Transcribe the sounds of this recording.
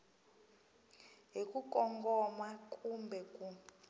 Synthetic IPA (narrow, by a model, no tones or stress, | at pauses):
ɦikʼukʼɔŋɡɔmwakʼumbʱɛkʼu